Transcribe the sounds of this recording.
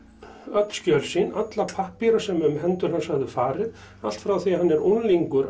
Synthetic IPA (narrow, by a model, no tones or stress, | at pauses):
œt̪n̥scœlsɪnat̪lapʰahpiɾasɛmʏmhɛnt̪ʏɾ̥hansaɣðʏfaːɾɪð | al̥t̪fɾawθiaɦanːɛɾunliŋkʏɾ